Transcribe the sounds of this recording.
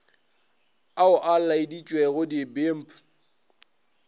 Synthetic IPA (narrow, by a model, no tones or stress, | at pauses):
aʊʔallaɪdit͡ʃʼwɛɣʊdibem̩pʰʼʊ̥